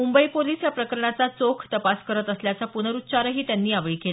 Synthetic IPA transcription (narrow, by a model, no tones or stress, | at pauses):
mumbəiːpoliːsjapɾəkəɾəɳat͡sat͡sokʰt̪əpaskəɾət̪əsljat͡sapunəɾut̪ːt͡ɕaɾəɦiːt̪janːiːaʋɭiːkela